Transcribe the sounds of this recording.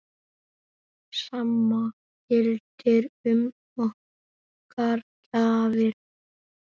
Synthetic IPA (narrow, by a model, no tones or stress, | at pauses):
samːa | jɪlt̪ɪɾʏm | ɔ | kaɾcaːvɪɾ̥